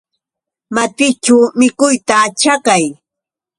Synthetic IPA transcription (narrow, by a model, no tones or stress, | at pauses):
mat̪ɪt͡ʃawmɪkʊjt̪at͡ʃakaj